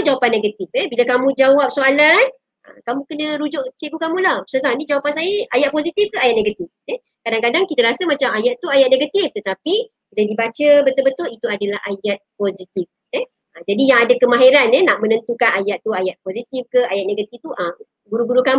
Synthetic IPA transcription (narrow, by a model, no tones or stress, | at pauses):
d͡ʒawapanːeɡət̪ifɛbilakamũd͡ʒawap̚soalan | ə̰kamũkənəɾud͡ʒʊʔt͡ʃeɡukamũlahəsas̬anĩd͡ʒawapansajəʔajat̪̚pozit̪ifkəajat̪̚neɡat̪ifɛ | kadaŋkadaŋkit̪aɾasamat͡ʃamajaʔt̪uajat̪̚neɡat̪ift̪ət̪api | biladibat͡ʃəbət̪ʊlbət̪ʊlit̪uadalaɦajat̪̚pozit̪if | ɛ | əd͡ʒadijaŋadakəmaɦeɾanɛnaʔ̚mə̃nənt̪ukanajaʔ̪t̪ːuajaʔ̪̚pozit̪ifkəajat̪̚neɡət̪ift̪uʔəm | ɡuɾuɡuɾukam